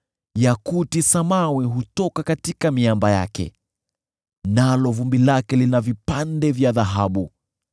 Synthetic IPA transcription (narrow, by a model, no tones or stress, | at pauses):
jakutisamawiɦutɔkakatikamiambaja̰kɛ̰ | nalɔvumbilakɛlinavipandɛvjaðaɦaɓu